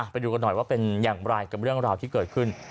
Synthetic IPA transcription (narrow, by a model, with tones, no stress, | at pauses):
a˧˩pa˧jduː˧ka˧nːɔ˨˩jwaː˥˩pe˧njaː˨˩ŋɾa˧jka˨˩p̚ɾɯ˥˩əŋɾaː˧wt̪ʰiː˥˩kɤː˨˩t̪̚kʰɯ˥˩n